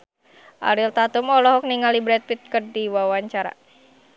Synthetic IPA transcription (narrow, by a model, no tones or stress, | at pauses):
ʔa̰ɾilt̪at̪umɔlɔɦɔk̚niŋalibɾɛt̪̚wit̪̚kərdiwawaɲt͡ʃaɾa̰